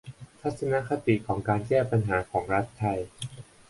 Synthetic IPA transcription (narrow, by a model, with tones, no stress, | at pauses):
t̪ʰa˦˥t̪̚sa˧na˦˥kʰa˧t̪i˨kʰɔː˩˦ŋkaː˧nkɛː˥˩pa˧nɦaː˩˦kʰɔː˩˦ŋɾa˦˥t̪ʰːa˧j